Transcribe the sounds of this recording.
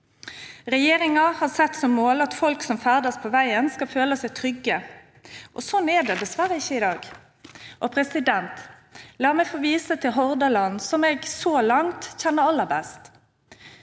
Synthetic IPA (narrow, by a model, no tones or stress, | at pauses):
ʁɛjeːɾɪŋɑhɑːʁsɛt̪ːsɔmːoːlɑt̪fɔlksɔmfæːʁd̪əspʰɔʋæɪənskɑlføːləsæɪt̪ʰɾʏɡːə | ʔɔsɔnːɛɖɛd̪ɛsʋæɾəɪçːəɪd̪ɑːɡ | ʔɔpʰɾɛsɪd̪ɛnt̪ | lɑːɾmɛfoːʋiːsət̪ʰɪlɦɔʁd̪əlɑnːsɔmɛɡsoːlɑŋt̪çɛnːəɾɑlːəɾbɛ̰st̪